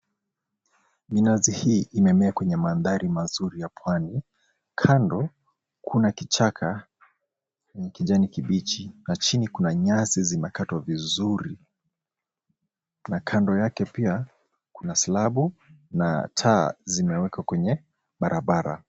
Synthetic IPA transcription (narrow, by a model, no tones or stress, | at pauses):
minazihiːimɛmɛakwɛɲɛmanðaɾimazuɾijapʰwani | kʰandɔ | kʰunakit͡ʃakʰa | kwɛɲɛkiʄanikiɓit͡ʃinat͡ʃinikunaɲazizimɛkatwavizuɾi | nakʰandɔjakɛpia | kunasilaɓuna̰tʰazimɛwɛkwakwɛɲɛ | ɓaɾʔaɓaɾa̰